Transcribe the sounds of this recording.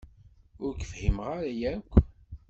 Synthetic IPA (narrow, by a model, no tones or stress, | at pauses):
ʊɾkə̥fhimʁaɾæjækʷː